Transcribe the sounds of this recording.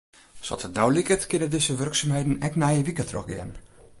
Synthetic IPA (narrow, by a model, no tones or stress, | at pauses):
sɔ̰tənɔwlikətkɪnədɪzəʋørksamhɛjdn̩ɛknɛjəʋikətrɔ̰xɡɛ̰n